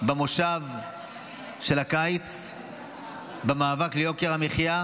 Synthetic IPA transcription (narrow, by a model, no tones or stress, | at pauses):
bamoʃav | ʃe̞lakajt͡s | bemaːvaklejo̞keʁameχja